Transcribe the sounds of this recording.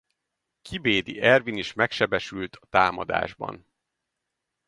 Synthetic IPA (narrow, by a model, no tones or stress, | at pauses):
kʰibeːd̪ḭʔɛrviniʃmɛkʃɛbɛʃylt̪ʰɒ̥t̪aːmɒd̪a̰ːʒbɒ̰n